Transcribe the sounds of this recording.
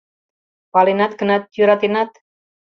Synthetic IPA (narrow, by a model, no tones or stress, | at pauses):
palenat̪ɡənat̪̚juɾat̪enat̪